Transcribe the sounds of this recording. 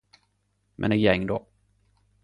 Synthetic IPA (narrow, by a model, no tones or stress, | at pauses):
mʔɛ̰nɛjɛŋːd̪ɔ